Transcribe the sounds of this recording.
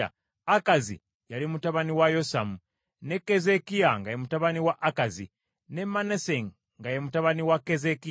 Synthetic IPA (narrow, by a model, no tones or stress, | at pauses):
a̰ | akazḭ | jalimutaβaniwajosamu | ne̞kːezekiaŋɡajemutaβaniwaʔakazḭ | ne̞maneseŋ | ŋɡajemutaβaniwakːezeki